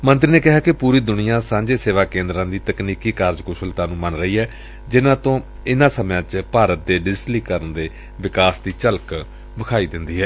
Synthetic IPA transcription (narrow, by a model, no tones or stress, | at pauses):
mənt̪ɾiːneːkɪɦaːkɪpuːɾiːd̪ʊnɪjãːsãːɲd͡ʒeːseːʋaːkẽːnd̪ɾãːd̪iːt̪əkniːkiːkaːɾd͡ʒkoːsəlt̪ãːnũːmənɾəɦiːɦɛː | d͡ʒɪnãːt̪õː | ɪnãːsəmãːt͡ʃpaːɾət̪̚d̪eːɖɪd͡ʒʈliːkəɾənd̪eː | ʋɪkaːsd̪iːt͡ʃəlk | bəkʰaːiːd̪ɪnd̪iːɦɛː